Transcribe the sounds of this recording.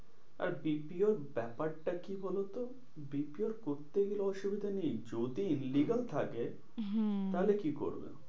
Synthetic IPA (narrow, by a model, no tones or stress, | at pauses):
a̰ɾbipioɾbɛpaɾʈakibʱɔlot̪o | bipioɾkoɾt̪eɡeloɔʃubid̪ʱanid͡ʑod̪iinliɡalt̪ʰake | t̪alekiko̰ɾbḛ